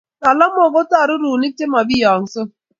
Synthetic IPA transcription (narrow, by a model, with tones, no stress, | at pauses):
ta˨la˦mo˨ɡo˦ta˦˨ɾu˦ɾu˨ni˦k̚te˦ma˨bi˦ja˨n̩˨so˦